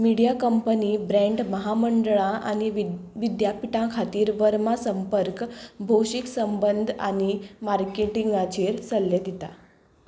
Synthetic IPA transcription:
miɽijakəmpəniːbɾɛ̃ɳɖməɦaməɳɖɭãʔañiʋʋid̪japiʈãkʰat̪iːɾʋəɾmasəmpəɾkbʱowɕiksəmbənd̪ʱa̰ñimaɾkeʈiŋɡat͡ɕiːɾsəlːed̪it̪a̰

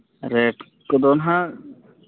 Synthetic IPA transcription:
ɾeːʈ | kod̪oːnɦã

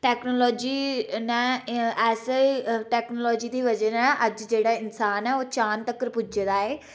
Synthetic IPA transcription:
ʈɛːknoːlɔːd͡ʒiːnɛ̃ːɛːseʈɛːknoːlɔːd͡ʒiːd̪iːʋəd͡ʒəɾɛ̃ːʔəd͡ʒd͡ʒeːɽaːɪnsaːnɛːoːt͡ʃaːnt̪əkːəɾpʊd͡ʒd̪aːeː

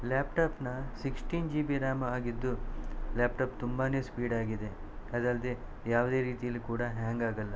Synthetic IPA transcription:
laːpʈaːpnɐsiksʈiːnd͡ʒiːbiɾaːmɐaːɡid̪ːulaːpʈaːpt̪umbaːne̞ːspiːɖaːɡid̪e̞ | ɐd̪ɐld̪e | jaːʋd̪e̞ːɾiːt̪ijɐlːikuːɽɐɦaːŋɡaːɡɐlːɐ

